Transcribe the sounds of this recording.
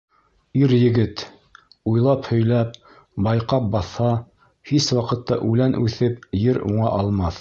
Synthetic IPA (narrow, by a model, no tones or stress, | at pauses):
iɾjɘ̆ɡɘt̪ | ujlˠɑphɵ̆jlæp̚ | bɑjqɑp̚bɑθhɑ | hiswɑqɤ̆t̪ːɑ̰ʔʉlænʔʉθɘpjɘɾuɴɑ̰ʔɑlˠmɑθ